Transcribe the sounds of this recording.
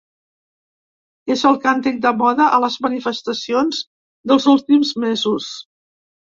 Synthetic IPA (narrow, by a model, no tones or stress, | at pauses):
ezəlˠkant̪ik̚d̪əmɔðəʔələzmənifəst̪əsionz | d̪əlˠzulˠt̪imzmezus